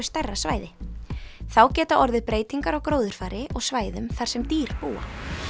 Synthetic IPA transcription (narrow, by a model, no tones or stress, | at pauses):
ʏst̪ɛrːasvaːjðɪ | θawcɛːt̪aʔɔɾðɪpɾeːjt̪iŋkaɾawkɾoːwðʏɾ̥faːɾɪʔɔɣsvaːjðʏmθḁsɛmt̪iːɾ̥puːa̰